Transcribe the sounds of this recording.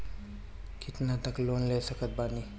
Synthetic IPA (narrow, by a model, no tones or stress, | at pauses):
kit̪nat̪əklonlesəkət̪̚bani